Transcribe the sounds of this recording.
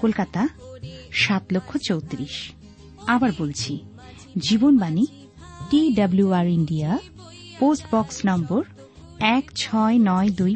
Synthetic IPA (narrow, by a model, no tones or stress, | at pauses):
kolkat̪a | ʃat̪lokʰːot͡ɕowt̪ɾiʃ | abaɾbolt͡ɕʰi | d͡ʑibonbani | ʈiɖabluaɾiɳɖia | posʈbɔksnɔmboɾ | ɛkt͡ɕʰɔenɔed̪uj